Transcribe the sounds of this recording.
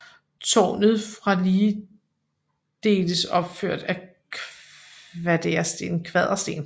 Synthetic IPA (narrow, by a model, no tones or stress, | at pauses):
t͡sʰɒ̰ːnð̞̩ˠfʁɑ̈liː | d̥e̝̰ːləsɒ̽b̥føɐ̰d̥æ | kʰ | ʋæd̥eɐsd̥e̝̰ːnkʰʋɛð̞ˠʁɐsd̥e̝̰ːn